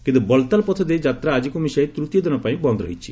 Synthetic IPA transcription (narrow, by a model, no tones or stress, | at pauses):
kint̪ubɔlt̪alpɔt̪ʰɔd̪ed͡ʒat̪ɾaːd͡ʒikumisɔet̪ɾut̪jɔd̪ɔnɔpaĩbɔnd̪ɾɔɦit͡ʃʰi̥